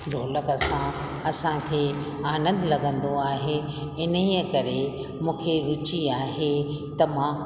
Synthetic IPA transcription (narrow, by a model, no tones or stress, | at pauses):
ɾoːləkɐsã | ɐsãkʰeː | aːnə̃nd̪lɐɡə̃nd̪oaːɦe | ɪnəiəkɐɾe | mũːkʰeɾʊt͡ɕiaːɦe | t̪ɐmãː